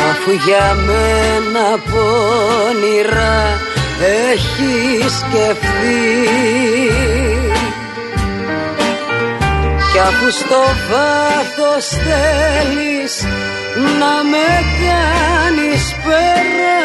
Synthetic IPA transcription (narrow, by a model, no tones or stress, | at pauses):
ɐfuʝɐmenɐponiɾɐ | eçiscefθi | cɐfust̪o̞vɐθost̪elis | nɐmekɐnispeɾɐ